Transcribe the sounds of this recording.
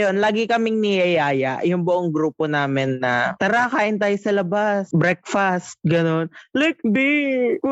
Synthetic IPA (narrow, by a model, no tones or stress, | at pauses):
jo̞nlaːɡɪkɐmɪŋnɪjɐjaːjɐ̰ʔjʊŋbʊʔoŋɡɾuːponaːmɪnːɐt̪ɐɾakaːʔɪnt̪aːjosɐlɐbasbɾɛk̚fast̪̚ɡɐno̞nlɛk̚bɪ